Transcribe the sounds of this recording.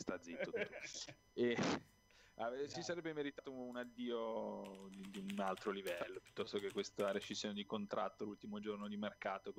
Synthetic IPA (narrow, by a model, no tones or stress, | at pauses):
st̪ad̪zːit̪ːot̪ut̪ | e | avsisaɾɛbːemeɾit̪at̪ounad̪ːiːod̪id̪iunalt̪ɾolivɛlːopjut̪ːɔst̪okekːwest̪aɾet͡ʃizːjoːned̪ikont̪ɾʔa̰t̪ːolult̪imod͡ʒornod̪imerkaːt̪o